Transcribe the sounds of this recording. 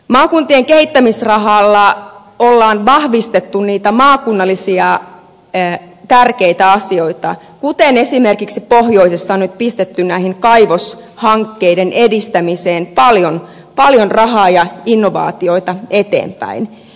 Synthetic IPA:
mɑːkunt̪ieŋkehit̪ːæmisrɑɦɑːlːɑ | olːɑːnʋɑhʋist̪et̪ːunniːt̪æmɑːkunːɑlːisiɑ | t̪ærkeit̪æɑsio̞it̪ɑ | kut̪enesimerkiksipohjo̞isesːɑonyt̪̚pist̪et̪ːynnæihiŋkɑjʋoshɑŋkːeidenʔedist̪æmiseːnpɑljon | pɑljonrɑɦɑːjɑinːoʋɑ̰ːt̪io̞it̪ɑet̪ḛːmpæ̰in

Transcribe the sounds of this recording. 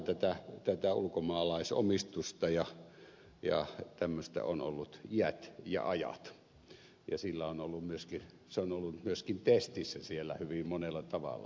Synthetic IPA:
t̪æt̪æt̪æt̪æṵlukomɑːlɑˑiso̰mist̪ust̪ɑjɑ | jɑ̰t̪æmːøst̪æ̰ono̰lːut̪iæt̪jɑ̰ɑjɑ̰t̪ | jɑ̰silːæonolːummyøskin | seonolːumyøskint̪est̪isːæsielːæ̰hyʋimmonelːɑt̪ɑʋɑ̰lːɑ̰

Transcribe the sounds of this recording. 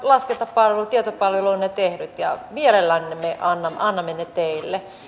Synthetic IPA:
lɑsket̪ɑppɑlʋĕlut̪iet̪opɑlʋeluinnet̪ehnyt̪jɑ̰mielelːænːemeʔɑnːɑmːɑnːɑmːenet̪eilːe

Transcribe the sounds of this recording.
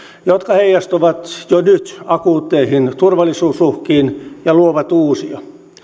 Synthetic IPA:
jot̪kɑheijɑst̪oʋɑt̪jonyt̪ɑkuːt̪ːeihint̪urʋɑlːˑisuːsuhkiːnjɑluoʋɑt̪uːsiɑ

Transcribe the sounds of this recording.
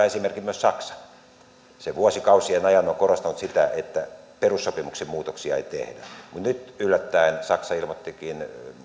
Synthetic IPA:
esimerkimyøssɑksɑ̥n | seʋuosikɑusienɑjɑnokorost̪ɑnut̪sit̪æʔet̪ːæperusːopimuksemmuːt̪oksiɑḛit̪ḛhdæ̰mut̪nyt̪ylːæt̪ːæinsɑksɑilmot̪ːikin

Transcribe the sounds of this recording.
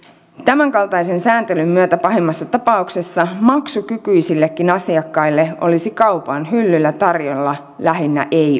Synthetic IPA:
t̪æmæŋkɑlt̪ɑjse̞nsæːnt̪elymːyøt̪æpɑɦemːɑsːɑt̪ɑpɑukse̞sːɑmɑksukykyisilːekːinɑsiɑkːɑilːe̞ʔo̞̰lisikɑwpɑnɦylːylːæt̪ɑrjolːɑ | læɦinːæ̰ʔej

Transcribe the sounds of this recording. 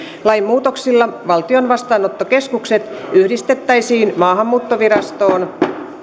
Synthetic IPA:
lɑjmːuːt̪oksilːɑʋɑlt̪io̞nʋɑst̪ɑːnot̪ːoke̞skukse̞t̪yhdist̪e̞t̪ːæjsiːnmɑːɦɑmːuːt̪ːoʋiɾɑst̪o̞ːn

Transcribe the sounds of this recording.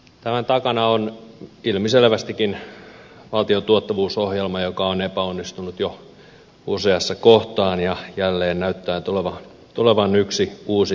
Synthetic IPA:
t̪æmænt̪ɑkɑnɑonilmiselʋæst̪ikːin | ʋɑlt̪iot̪uot̪ːɑʋuːsohjelmɑjokɑonepæonːist̪unut̪jo | useɑsːɑkoht̪ɑːnjɑjælːeːnnæyt̪ːæːt̪uleʋɑ | t̪uleʋɑnyksiuːsi

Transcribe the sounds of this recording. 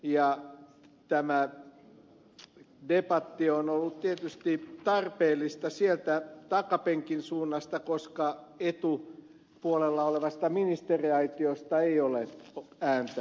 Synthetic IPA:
jɑ | t̪æmæ | depɑt̪ːionolːutt̪iet̪yst̪it̪ɑrpeːlˑːist̪ɑsielt̪æt̪ɑkɑpeŋkinsuːnːɑst̪ɑkoskɑet̪u | puolelːɑoleʋɑst̪ɑminist̪eriɑit̪iost̪ɑeioleæːnt̪æ

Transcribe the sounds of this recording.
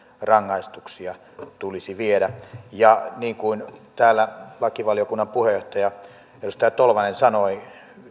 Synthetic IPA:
rɑŋːɑist̪uksiɑ | t̪ulisiʋieɾæjɑniːŋkuint̪æːlːælɑkiʋɑlijokunːɑmpuhejoht̪ɑjɑ | edust̪ɑjɑt̪olʋɑnensɑnoi

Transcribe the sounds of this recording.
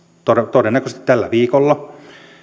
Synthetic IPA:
t̪oet̪odenːækøst̪i̥t̪t̪ælːæ̰ʋiːkolːɑ

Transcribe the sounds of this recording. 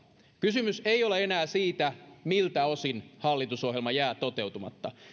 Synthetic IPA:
kysymyseioleenæːsiːt̪æmilt̪æosinhɑlːit̪usohjelmɑjæːt̪ot̪ewt̪umɑ̰t̪ːɑ

